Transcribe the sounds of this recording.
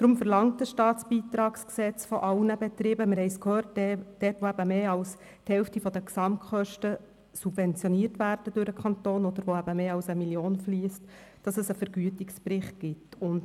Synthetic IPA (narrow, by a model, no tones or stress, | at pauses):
d̥ɾʊmfəɾlɑŋt̚d̥əʃtɑːtsb̥iːt̪ɾɑːksksɛt͡sfɔʔɑlnəbet̪ɾɪbəmɪɾhɛɪskhøːrtd̥ɛːtʋoæb̥əmeːɑls | thɛlftifɔdəksɑmtkχœʃtə | sub̥vɛnt͡sjɔniəɾtʋæːɾd̥əd̥ʊɾəkʰχɑntoːnɔd̪əɾʋoæbəmeːɑlsəmiljoːnfliːstd̥ɑsəsəfəɾɡyətɪkspɾɪχtɡ̥ɪtʊnd